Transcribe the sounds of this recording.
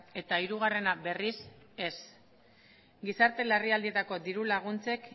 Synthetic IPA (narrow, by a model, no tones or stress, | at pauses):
e̞t̪aiɾuɣ̞are̞nabe̞rise̞s | ɡisaɾt̪e̞lariald̪ie̞t̪ako̞d̪iɾulaɣ̞unt͡se̞k